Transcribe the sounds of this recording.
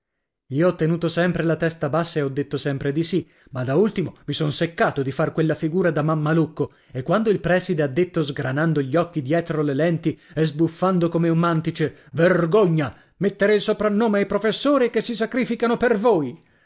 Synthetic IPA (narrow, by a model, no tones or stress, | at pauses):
iːoɔt̪ːenuːt̪osɛmpɾelat̪ɛst̪abasːaeɔd̪ːet̪ːosɛmpɾed̪isi | mad̪ault̪imomisɔnsekːaːt̪od̪ifarkwelːafiɡuːɾad̪amamːalukːo | ekːwand̪oilpɾɛːsid̪ead̪ːet̪ːozɡɾanand̪oʎːɔkːid̪jɛːt̪ɾolelɛnt̪iɛzbufːand̪okomeummːant̪it͡ʃeverɡoɲːa | met̪ːeɾeilsopɾanːoːmeajpɾofesːoːɾikesːisakɾiːfikanopervoːj